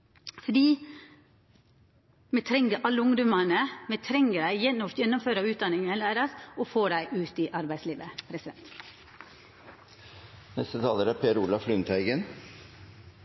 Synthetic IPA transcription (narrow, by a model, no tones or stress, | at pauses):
fɔɖiː | mɛt̪ʰɾɛŋːəɾʔɑlːəʊŋd̪ʊmɑnəmɛt̪ʰɾɛŋːəɖæɪjɛnːʊft̪jɛnːʊmføːɾɑʋʉːt̪̚d̪ɑnɪŋəəlæːɾəsɔfoːɖæɪʔʉːt̪ɪʔɑɾbæɪsliːʋəpʰɾɛsɪd̪ɛnt̪ | nɛst̪ət̪ʰɑːləɾæɾpʰeːɾʊlɑflʏnt̪ʰæɪɡən